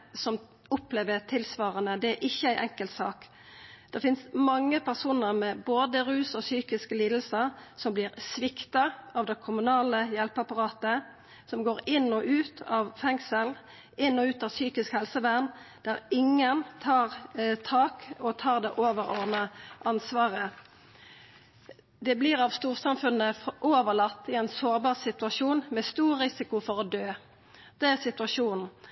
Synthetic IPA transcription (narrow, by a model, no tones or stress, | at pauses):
sɔm | ʊpleːʋət̪ʰɪlsʋɑːʁənəd̪ɛæʔɪçːəæɪʔɛŋkəlt̪sɑːk | d̪̥ɛfɪnsmɑŋːəpʰæʁsuːnəʁmɛboːd̪əʁʉːsɔsyːkɪskəliːd̪l̩səsɔmblɪːʁsʋɪkt̪ɑɑʋd̪ɛkʰʊmʉnɑːləjɛlpəɑpɑʁɑːt̪ə | sɔmɡoːɾɪnɔʔʉːt̪ʰɑʋfɛŋsəl | ʔɪnːɔʉːt̪ɑʋsyːkɪskhɛlsəʋæʁnd̪̥æʁɪŋːənt̪ʰɑːʁt̪ʰɑːkɔt̪ʰɑːʁd̪ɛʔoːʋəɾɔʁd̪nəʔɑnsʋɑːʁə | d̪ɛblɪʁɑʋst̪uːʁsɑmfʉnəʔoːʋəlɑt̪ːɪæɪnsoːʁbɑːʁsɪt̪ʉɑʂuːnmɛst̪uːʁːɪsɪkʊfɔʁɔd̪øː | d̪̥ɛæʁsɪt̪ʉɑʃuːnn̩